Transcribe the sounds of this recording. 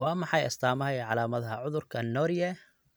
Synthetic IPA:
wɑːmɑħɑjɐ̰st̪ʰaːmɐɦɛjʕɑlaːmɐðɐɦɐʕʊðʊrkʰɐnɔːɾjɛ

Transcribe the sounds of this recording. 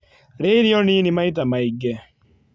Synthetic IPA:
ɾeiɾiɔninimaitamaiɡɛ

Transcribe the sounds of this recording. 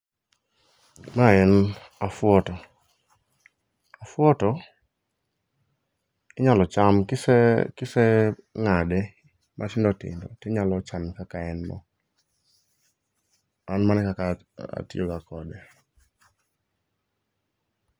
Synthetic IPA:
maɛnafwɔtɔ | afwɔtɔ | ɪɲalɔt͡ʃamkɪsɛkɪsɛŋadɛ | mʔatɪndɔtɪ̰ndɔ̰tɛɲalɔt͡ʃamkakaɛnmɔ̰ | anmanɛkaka | a̰tiokakɔdɛ

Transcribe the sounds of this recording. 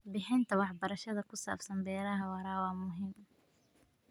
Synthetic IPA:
bɪħɪnt̪ɐwɑħbɐɾɐʃɐðɐkʊsa̰ːfsɐmbɛːɾɐɦɐwɑɾɑːwɑmʊɦɪm

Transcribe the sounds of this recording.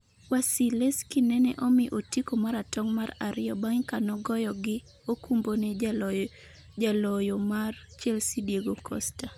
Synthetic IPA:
wasileskɪnɛnɛ̰ʔɔmɪʔotikomaɾatɔŋmaɾaɾɪjɔbaŋkanɔɡɔjɔɡɪ | okumbone | d͡ʒalɔjomart͡ʃɛlsidjeɡokʰɔ̰sta

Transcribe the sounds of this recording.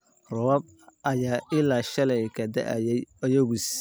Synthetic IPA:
rɔwɐb̚ | ɐjaːʔɪlaːʃɐlɛjkʰɐd̪ɐ̰ʔɐ̰jɛjɔjɐɣus

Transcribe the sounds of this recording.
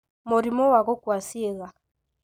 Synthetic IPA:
moɾimɔwaɣɔkwasieɣa

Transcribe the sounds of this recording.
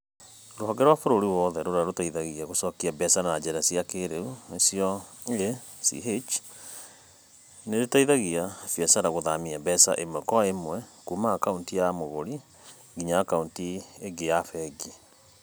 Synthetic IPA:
ɾoɦɔɡɛɾwafoɾoɾiwɔðɛɾoɾaɾotaiðaɣiaɣosɔkiabɛsanaad͡ʒɛɾasiakeɾeuesiɔe | sḭɦet͡ʃ | neɾetaiðaɣiafiɛsaɾaɣoðamiabɛsa̰ʔemwɛkɔemwɛkumakauntijamoɣoɾi | ɡiɲaakauntieɡejafɛɡi

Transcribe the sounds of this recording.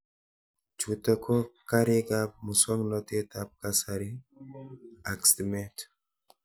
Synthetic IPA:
t͡ʃut̪akʰokaɾiɡap̚musɔŋɡnot̪et̪ap̚kasaɾi | aksd̪imet

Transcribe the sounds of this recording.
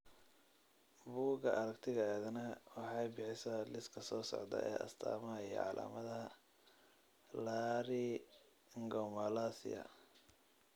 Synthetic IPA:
buːɡɐʔɐɾɐkt̪ʰɪɣɐɛːðɐnɐwɑħɑjbɪħɪsɐlɪskʰɐsɔːsɔ̰ʕd̪ɐ̰ʔɛ̰ːʔɐ̰st̪ʰa̰ːmɐɦɐijɔ̰ʕɑ̰lʔa̰ːmɐðɐɦɐ | laɾi | ŋɡɔmɐlasɪ̰ɐ̰

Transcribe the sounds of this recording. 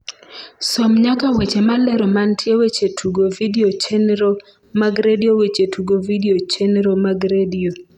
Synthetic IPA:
sɔmɲakawet͡ʃemalɛɾɔmantʰjewet͡ʃetʰuɡovidiot͡ʃenɾo | maɡɾediowet͡ʃetʰuɡovidiot͡ʃenɾomaɡɾedio

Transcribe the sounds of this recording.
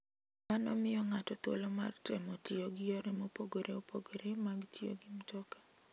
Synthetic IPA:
manɔ̰mɪjɔŋatɔt̪wo̰loma̰rtɛmɔtɪoɡɪjɔɾemopoɡoɾeopoɡoɾemaɡtʰɪo̰ɡɪmtɔkḁ

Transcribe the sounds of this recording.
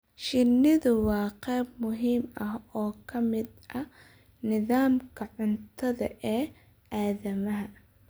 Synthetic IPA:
ʃɪnːɪðʊwɑːqɛːb̚mʊɦiːmɐɦɔːkʰɐmɪd̪ʔɐ | nɪðaːmkʰɐʕʊnt̪ʰɐðɐ̰ʔɛː | ʔaːðɐmɐɦɐ

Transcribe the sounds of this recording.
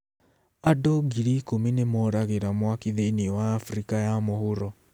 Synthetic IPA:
adoɡiɾikominemɔːɾaɣeɾamwakiðeiniwaːfɾikajamohoɾɔ

